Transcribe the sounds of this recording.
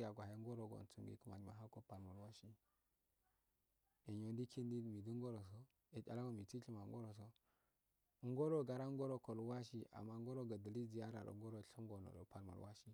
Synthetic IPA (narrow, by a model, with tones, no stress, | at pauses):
ja˨ɡʷa˨he˦ŋɡo˦ɾo˨ɡo̰˨n˨t͡sṵ˨ŋɡḭ˦kə˦ma̰˨ma̰˨ɦa˦ko˦pa˨lma˨wa˦ʃi˦ | e˨ɲo˨ndi˦kʰi˦n˦di˦˨mi˨di˦ŋɡo˦ɾo˨s̬o˦ | e˨d͡ʒʲa̰˨la˦wo˦mi˨t͡si˦ɬi˦ma˨ŋ˦ɡo˦ɾo˨s̬o˦ | ŋ˦ɡo˦ɾo˦ɡa˨ɾa˦ŋɡo˦ɾo˦ko˨lwa˦ʃi˦a̰˨mːa˦ŋɡo˦ɾo˦ɡa˨də˨li˦d͡ʒi˨ja˦ɾa̰˨ɾo̰˨ŋ˦ɡo˦ɾo˨ɬi˦ŋ˦ɡo˨no̰˨ɾo̰˨pa˨lma̰˨ɾwa˦ʃi˦